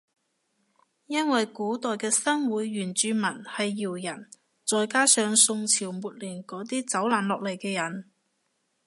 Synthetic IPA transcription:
jɐ˥nwɐ˨jkuː˨˥t̪ɔː˨jkɛː˧sɐ˥ŋwuː˨˥jɥyː˨˩nt͡ʃyː˨˧mɐ˨˩nhɐ˨jːiː˨˩wjɐ˨˩n | t͡sɔː˨jkaː˥sœː˨˧ŋsʊ˧ŋt͡sʰiː˨˩wmuː˨t̚liː˨˩nkɔː˨˥t̪̬iː˥t͡sɐ˨˥wlaː˨˥nlɔː˨k̚le˨˩jkɛː˧jɐ˨˩n

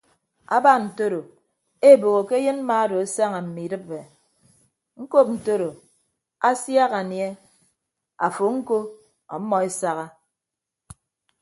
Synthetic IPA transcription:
a̰˦ba˦n̩˨to˦ɾo˨ | e˦˨bo˨ɣo˨ke˦jɨ˦n̩˦ma˦a˦do˨a˦sa˦ŋa˨m̩˨mi˨dɨ˦p̚be˨ | ŋ̩˦ko˦p̚n̩˨to˦ɾo˨ | a˦sja˦ɣa˨nje˦ | a˨fo˨ŋ̩˦ko˦ | ɔ̰˨˦mːɔ˨e˦sa˦ɣa˦

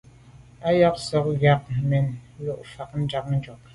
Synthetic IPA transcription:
a˦jɔ˦ksɔ˦k̚ɡa˦k̚mɛ˨n˦lo˦ʔfa˨k̚n̩˦d͡ʒa˨k̚n̩˦d͡ʒɔ˨k̚

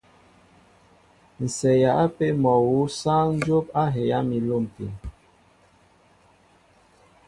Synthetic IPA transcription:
n̩˨sɛ˨ja˨a˦pe˦mɔ˨wu˨˦sa˦n̩˦d͡ʒo˦pa˦ɦe˨ja˦mi˨lo˦˨m˨pḭ˨n

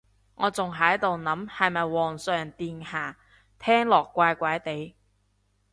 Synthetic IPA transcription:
ŋɔː˨˧t͡sʊ˨ŋɦɐ˨˥jt̪o˨wnɐ˨˥mhɐ˨jmɐ˨jwɔː˨˩ŋsœː˨ŋt̪iː˧nhaː˨˩ | t̪ʰɛː˥ŋlɔː˨˩kːʷaː˧jkʷɐ˨˥jt̪e˨˧˥j

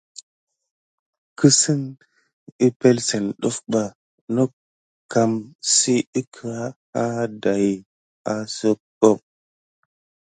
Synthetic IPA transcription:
kɨ˦sɨ˦ŋ | i˦pe˦lse˨nɗo˦fɓa˨ | no˦ | ka˨msi˦i˦kʰə˨a˦ | a˦da˨j | a˦so˦ | bo˦˨p̚

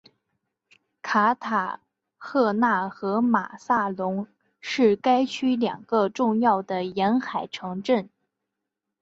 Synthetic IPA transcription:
kʰa˧˥t̪ʰa˨˩ | xɤ˥˧na˥˩xɤ˧˥ma̰˨˩sa˥˩lʊ˧˥ŋ | ʂɻ̩˥˩ka˥ɪt͡ɕʰy˥ljɑ̰˨˩ŋɡ̥ə˧ʈ͡ʂʊ˥˧ŋjɑ˥˩ʊd̪ə˩jɛ˧˥nxa˨˩ɪʈ͡ʂʰɤ˧˥ŋʈ͡ʂə˥˩n

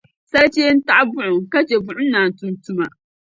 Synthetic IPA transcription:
sa˦ɾt͡ʃeː˦n̩˦ta˦ʔa˦bʊ˦ʔʊ˨ŋka˦t͡ʃe˨bʊ˦ʔʊ˦naː˨tʊ˨ntu˦ma˨

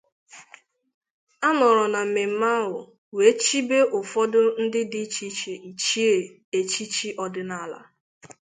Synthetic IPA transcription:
a˦nɔ˨ɾɔ˨na˨m̩˨me˨m̩˦ma˦ɦʊ˨ | we˨˦t͡ʃi˦be˦ʔʊ˨fɔ˦dʊ˦n̩˦dɪ˦di˦t͡ʃi˦t͡ʃe˨ʔi˨t͡ʃi˦e˨ | e˨t͡ʃi˦t͡ʃi˦ʔɔ˦dɪ˦na˦la̰˦

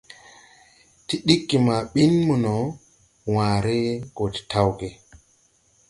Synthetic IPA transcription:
ti˦ɗi˦kːi˨ma˨ɓi˦nmu˨nɔ˨ | waː˨ɾe˦ɡo˨ti̥˨tʰa˦wɡe˨

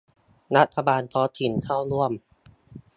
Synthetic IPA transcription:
ɾa˦˥t̪ʰːa˧baː˧nt̪ʰɔː˨˦˥t̪ʰi˩˦nkʰaː˥˩wɾu˥˩əm

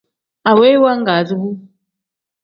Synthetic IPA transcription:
a˨we˦wa˦ŋ˦ɡa˨˦˨zu˦bu˦

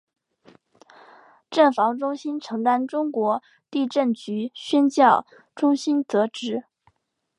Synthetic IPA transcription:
ʈ͡ʂə˥˩nfɑ˧˥ŋʈ͡ʂʊ˥ŋɕi˥nʈ͡ʂʰɤ˧˥ŋt̪a˥nʈ͡ʂʊ˥ŋkwɔ˧˥ | t̪i˥˧ʈ͡ʂə˥˩nt͡ɕy˧˥ɕɥɛ˥nt͡ɕjɑ˥˩ʊ | ʈ͡ʂʊ˥ŋɕi˥nt͡sɤ˧˥ʈ͡ʂɻ̩˧˥

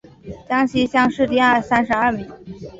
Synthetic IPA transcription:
t͡ɕjɑ˥ŋɕi˥ɕjɑ˥˧ŋʂɻ̩˥˧t̪i˥a˥˩sa˥nʂɻ̩˧˥ɐ˞˥˩mi˧˥ŋ

